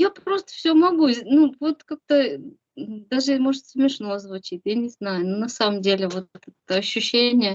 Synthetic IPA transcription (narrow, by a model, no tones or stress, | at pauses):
japɾo̞st̪ə̥fsʲɵmɐɡunuvo̞t̪kak̚t̪ə | d̪aʐɨmo̞ʐɨt̪smʲɪʂno̞ɐzvʊt͡ɕit̪ʲjanʲɪznajʊnunɐsaməmdʲelʲɪvo̞t̪ɛt̪ɛt̪əɐɕːʉɕːenʲɪjə